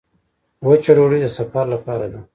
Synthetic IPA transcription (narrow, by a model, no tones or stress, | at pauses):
wət͡ʃaɽoɽid̪əsafaɾlapɑɾad̪a